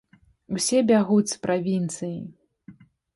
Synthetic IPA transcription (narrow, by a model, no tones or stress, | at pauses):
usʲɛbʲaɣuspɾʔavʲint̪sɨji